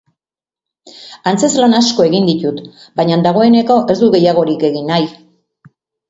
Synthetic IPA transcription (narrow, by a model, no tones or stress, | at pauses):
ant͡se̞zlanasko̞e̞ɣind̪it̪ut̪bajɲand̪aɣ̞o̞e̞ne̞ko̞ʔe̞zd̪uɣe̞jaɣ̞o̞ɾike̞ɣinaj